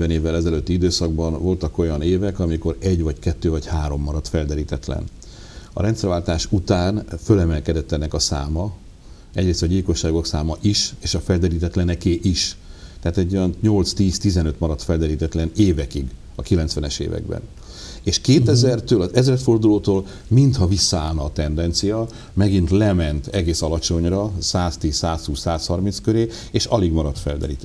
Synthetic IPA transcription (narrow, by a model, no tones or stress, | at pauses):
vɛneːvːɛlɛzɛløt̪ːiid̪øːsɒɡ̚bɒnvo̞lt̪ɒko̞jɒneːvɛkɒmiko̞ɾɛɟvɒckɛt̪ːøːvɒchaːɾo̞mːɒɾɒt̪fɛld̪ɛɾiːt̪ɛt̪lɛ̰n | ɒ̰ɾɛnt̪sɛɾvaːlt̪aːʃut̪aːnfølɛmɛlkɛd̪ɛt̪ːɛnːɛkɒsaːmɒ | ɛɟɾeːst̪ɒɟilko̞ʃːaːɡo̞ksaːmɒʔiʃeːʃɒfɛld̪ɛɾiːt̪ɛt̪lɛnɛkeːʔiʃt̪ɛːt̪ɛɟːojɒnɲo̞lt̪st̪iːst̪izɛnøt̪mɒɾɒt̪fɛld̪ɛɾiːt̪ɛt̪lɛneːvɛkiɡ | ɒkilɛnt̪sʋɛnɛʃḛːvɛ̰ɡbɛ̰n | eːʃkeːt̪ɛzɛrt̪øːlɒzɛzrɛt̪fo̞rd̪uloːt̪oːl | mint̪hɒvisːɒaːlnɒːt̪ɛnd̪ɛnt̪sijɒ | mɛɡint̪lɛmɛnt̪ɛɡeːsɒlɒt͡ʃo̞ɲrɒsaːst̪iːssaːshuːsaːshɒrminskøɾeː | eːʃɒliɡmɒɾɒt̪fɛld̪ɛ̰ɾḭːt̪